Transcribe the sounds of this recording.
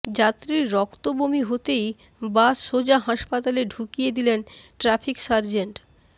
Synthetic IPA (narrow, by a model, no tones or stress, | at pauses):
d͡ʑat̪ːɾiɾːɔkt̪obomiɦot̪ej | basʃod͡ʑaɦaʃpat̪aleɖʱukijed̪ilenʈɾapʰiksaɾd͡ʑeɳʈ